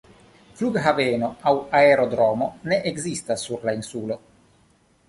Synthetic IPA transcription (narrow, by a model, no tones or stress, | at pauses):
fluɡɦaveno̞awaeɾod̪ɾomoneʔeɡzist̪asːuɾlainsulo̞